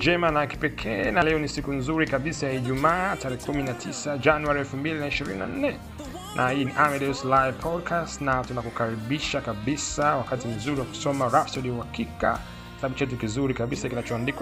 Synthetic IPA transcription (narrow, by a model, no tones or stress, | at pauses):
d͡ʒɛmanaki̥pɛkʰɛ̰ːnalɛɔnisikunzuɾikaɓisajaiʄumaːtaɾɛhɛkuminatʰisad͡ʒanuaɾiɛlfumbilinaiʃiɾḭnina̰n̩nɛ | nʔahiːniʔamɛdɛuslajvpʰɔdkʰastnatunakukaɾiɓiʃakaɓisawakatim̩zuɾiwaku̥sɔmaɾafsaliuhakika̰ | kasaaɓut͡ʃɛt̬ukizuɾikaɓisakinat͡ʃɔandikwa